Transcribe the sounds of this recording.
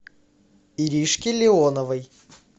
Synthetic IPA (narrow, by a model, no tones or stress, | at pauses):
iɾʲiʂkʲɪlʲɪonəvəj